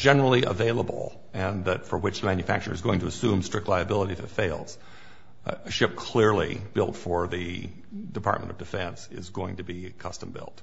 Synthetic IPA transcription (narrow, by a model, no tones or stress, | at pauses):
d͡ʒɛnə˞l̩ˠiʔə̰veɪlˠəbl̩ˠ | ɨ̃nðɨtfə˞wɨt͡ʃðəmæ̃njɨfæ̰k̚t͡ʃə̰˞ɨzɡoʊɪ̃ŋtʰɨːsʉ̃mstɹ̥ɪk̚tˡlaɪɨbɪlˠəɾiɨfɨtfeɪlˠdz̥ | ɨʃɪp̚kʰl̥ɪɹlˠḭb̥ɪ̰lˠtfə˞ðɨ | dɨpʰɑ̰ɹt̚mə̰̃nʌvdɨfɛ̃nsɪ̰zɡoʊɪ̃ŋtɨbikʰʌstə̃mbɪ̰lˠt̚